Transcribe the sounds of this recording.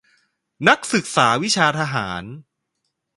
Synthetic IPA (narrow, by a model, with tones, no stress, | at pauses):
na˦˥k̚sɯ˨˩k̚saː˩˦wi˦˥t͡ɕʰaː˧t̪ʰa˧ɦaː˩˦n